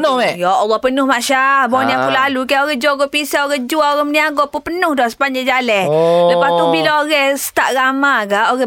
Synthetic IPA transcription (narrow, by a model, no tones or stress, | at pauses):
nʊmɛjaɔlːɔhpənʊhmaʔʃabɔniakulalukajoɣɛhd͡ʒuaɡɔʔpisaoɣɛhd͡ʒuaoɣɛməniaɡɔʔpupənʊhdɔhsə̥paɲd͡ʒad͡ʒalɛhləpast̪ubilaoɣɛhsə̥t̪aʔɾamaɡaʔoɣɛ